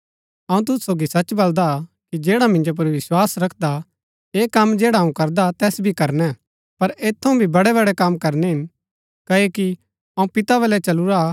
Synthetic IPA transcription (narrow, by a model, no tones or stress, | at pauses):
ɐũt̪̬ʊssoːɡisɐt͡ʃbɐld̪a | kid͡ʒeːɽamɪ̃nd͡ʒop̬ɐɾʋɪswaːsɾɐkʰd̪a | eːkɐmd͡ʒeːɽaɦɐũkɐɾd̪at̪ɛːsbʱikɐɾnɛ | pɐɾeːt̪ʰːɐũbʱibɐɽɛbɐɽɛkɐmkɐɾnɛɦɪn | kɐeki | ɐũpɪt̪aβɐlɛt͡ʃɐluɾa